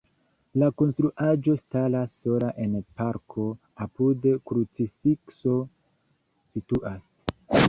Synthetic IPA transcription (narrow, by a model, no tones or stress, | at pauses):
lako̞nstɾuʔad͡ʒo̞stalasːo̞laʔe̞npaɾkʰo̞ | apudekɾut͡sifikso̞ | situʔas